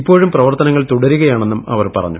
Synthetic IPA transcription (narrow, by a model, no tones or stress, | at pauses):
ipːo̞ːɻumprɐʋɐrt̪ɐnɐŋːɐɭt̪uɽɐɾuɣɐjaːɳe̞nːumɐ̰ʋɐrpɐ̰rɐ̰ɲːu